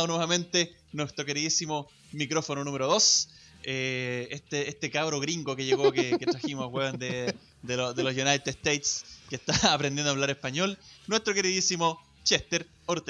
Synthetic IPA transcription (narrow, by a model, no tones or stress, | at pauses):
onweβamẽ̞nt̪e | nwest̪ɾokeɾiðisimo | mikɾo̞fononumeɾoðos | eest̪eest̪ekaβɾoɣɾiŋɡokeʝeɣokeketɾaximosaɣweβend̪e | d̪elod̪elosjunajt̪eest̪ejt̪skest̪aːpɾend̪jend̪oaβlaɾehpaɲolnwe̞st̪ɾokeɾiðisimo | t͡ʃeht̪eɾ | oɾt̪e